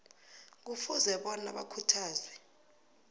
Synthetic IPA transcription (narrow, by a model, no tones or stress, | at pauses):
k̬ufuzɛɓɔna̰ɓakʰutʰaːzwɛ